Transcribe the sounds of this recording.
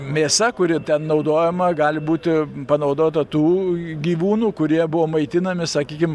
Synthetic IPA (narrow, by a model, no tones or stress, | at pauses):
mʲeːsɐkʊɾʲɪt̪ʲɛnnɒʊd̪oːjɛmɐɡɑːlʲɪbuːt̪ʲɪpɐnɐʊd̪oːt̪ɐt̪uːɡʲiːʋuːnuːkʊɾʲiɛbʊʋoːmɐɪt̪ʲɪnɐmʲɪsɐkʲiːkʲɪm